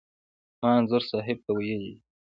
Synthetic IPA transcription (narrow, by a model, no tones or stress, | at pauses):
mɑːnzʊɾsɑːɦɪb̚t̪awajaji